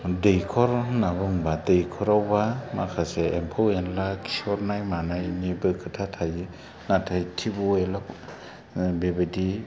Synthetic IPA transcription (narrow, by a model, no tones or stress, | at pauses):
dejkʰɔɾnabɯŋbadejkʰɔɾawbamakʰaseːmpʰɔwenlakʰisɔɾnajmanajnibɯkʰɯtʰatʰajɯ | natʰajtʰibuelɔ | bebedi